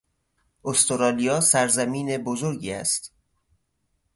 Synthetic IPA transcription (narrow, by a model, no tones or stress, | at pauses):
ʔost̪ʰoɾɒːlijɒːsæɾzæmiːne̞bozoɾɟiːæ̰st̪